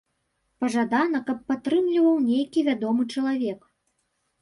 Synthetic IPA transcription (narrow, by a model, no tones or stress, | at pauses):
pɐʐad̪anɐkɐpːat̪ɾɨmlʲivɐwnʲejkʲivʲad̪ɔmɨt͡ʂɐlˠavʲɛk